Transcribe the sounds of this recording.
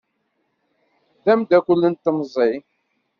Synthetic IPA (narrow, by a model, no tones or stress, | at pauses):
ðæmd̪ækʷʊlːənt̪ːəmzˤi